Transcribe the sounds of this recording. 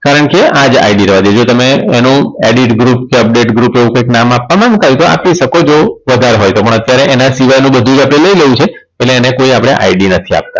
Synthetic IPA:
kaɾəɳkead͡ʒa̰jɖiɾəʋad̪id͡ʒot̪əmeenũeɖiʈɡɾupkeəp̚ɖeʈɡɾupeʋũkəjknamapːamãŋɡk̪ʰajt̪oa̰piʃəkod͡ʒoʋəd̪ʱaɾɦojt̪opəɳət̪jaɾeʔenasiʋajnũbəd̪ʱũd͡ʒapɽ̃eləileũt͡ʃʰe | peleːnekoiapɽ̃eʔa̰jɖinət̪ʰia̰p̚t̪a̰

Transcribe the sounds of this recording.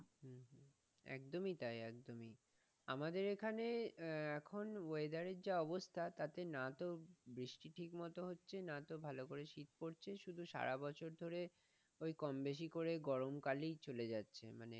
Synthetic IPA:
ɦ | ɛ̰kd̪omit̪ajɛkd̪omi | amad̪eɾekʰaneɛkʰonoed̪aɾeɾd͡ʑaɔbost̪ʰat̪at̪enat̪obɾiʃʈiʈʰikmɔt̪oɦotːɕʰenat̪obʱalokoɾeʃit̪̚poɾt͡ɕʰeʃud̪ʱuʃa̰ɾabɔt͡ɕʰoɾd̪ʱoɾe | ojkɔmbeʃ̬ikoɾeɡɔɾomkalijt͡ɕoled͡ʑatːɕʰḛmanḛ

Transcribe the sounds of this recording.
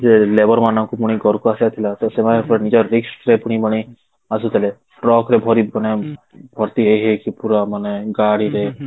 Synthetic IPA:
d͡ʒelebɔɾmanɔ̃ŋkupuɽ̃iɡʱɔɾkuasat̪ʰilat̪ɔsemanepɔɾnid͡ʒɔɾiksʈɾepuɽ̃ibɔɽ̃i | asut̪ʰile | ʈɾɔkɾebʱɔɾiane | bʱɔɾt̪iɦeɦekipuɾamaneɡaɽiɾe

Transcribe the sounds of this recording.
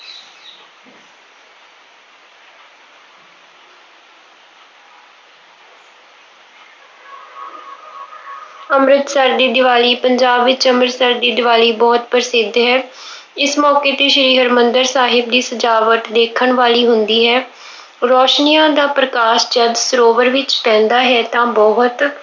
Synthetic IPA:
əmɾət̪səɾd̪iːd̪ɪʋaːliːpəɲd͡ʒaːbʋɪt͡ʃəmɾət̪saɾd̪iːd̪ɪʋaːliːbɔːt̪pəɾsɪd̪ɦɛː | ɪsmɔːkeːt̪iːʃəɾiːɦəɾmənd̪əɾsaːɦɪb̚d̪iːsəd͡ʒaːʋət̪d̪eːkʰəɳʋaːliːɦʊnd̪iːɦɛː | ɾɔːʃnijãːd̪aːpɾəkaːʃd͡ʒəd̪səɾoːʋəɾʋɪt͡ʃpɛ̃ːnd̪aːɦɛːt̪ãːbɔɦʊt̪

